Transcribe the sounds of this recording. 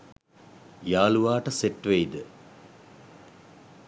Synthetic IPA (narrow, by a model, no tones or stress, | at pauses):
jaːluʋaːʈɐseʈʋejd̪ə